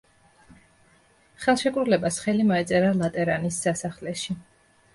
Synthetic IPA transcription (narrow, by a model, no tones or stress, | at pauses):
χɛlˠʃɛkʼɾulɛbasχɛlimɔɛt̪sʼɛɾalˠat̪ʼɛɾanisːasaχlɛʃi